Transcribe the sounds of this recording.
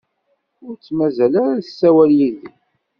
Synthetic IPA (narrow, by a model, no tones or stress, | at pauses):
ʊɾt͡sːmæzælaɾaθəsːæwælːiði